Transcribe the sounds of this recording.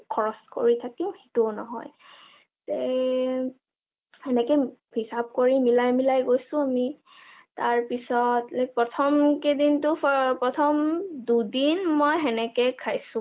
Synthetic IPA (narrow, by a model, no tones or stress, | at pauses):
kʰɔɹɔsko̰ɹitʰakihitunɔɦɔ̰j | tɛ | hɛnɛkɛ | hisab̚koɹimilajmilajɡojsʊ̃ami | taɹpisɔtlk̚pɹɔtʰɔmkedintʊpɹɔtʰɔmdudinmojɦɛnɛkɛkʰajsʊ̃